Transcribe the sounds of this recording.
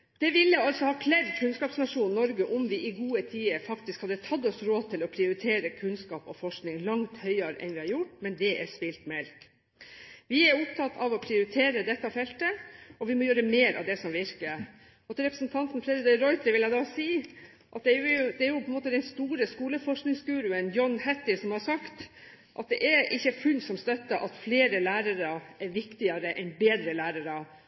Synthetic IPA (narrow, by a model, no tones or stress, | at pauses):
d̪̥ɛʋɪlːəɑlsɔhɑːkʰlæɾkʰʉnskɑːpsnɑʂuːnːɔɾɡəʔɔmʋɪʔɪɡuːət̪ʰiːəɾfɑkt̪ɪskhɑd̪ːət̪ʰɑd̪ːɔsɾoːd̪̚t̪ʰɪlɔpʰɾɪʊɾɪt̪ʰeːɾəkʰʉnskɑːpɔfɔʂknɪŋlɑŋt̪hœʏɑɾɛ̰nʋɪhɑɾjʊʈːmɛnd̪ɛʔæ̰spɪlt̪mɛlk | ʋɪɛɾʊpt̪ʰɑt̪ʰːɑʋɔpʰɾɪʊɾɪt̪ʰeːɾəd̪ɛt̪ːɑfɛlt̪əɔʋɪmɔjøːɾəmeːɾʔɑ̰ʋd̪ɛsɔmʋɪɾkə | ɔt̪ɔɾɛpɾəsnt̪ʰɑnt̪nfɾɛd̪ɛt̪əɾɔʏt̪ʰəɾʋɪljæɡd̪ɑːsiː | ʔɑt̪̚d̪ɛjʊʊd̪ɛæɾjʊpʰɔɛnmoːt̪əd̪ɛnst̪uːɾəskuːləfɔʂknɪŋsɡʉːɾʉənjɔnːhɛt̪ːɪsɔmhɑʂɑkt̪ | ʔɑ̰t̪̚d̪ɛʔɛɾʔɪçːəfʉlsɔmst̪œt̪ːəʔɑt̪fleːɾəlæːɾɑɾəʔɛɾʋɪkt̪ɪɑɾəʔɛnbeːd̪ɾəlæːɾəɾə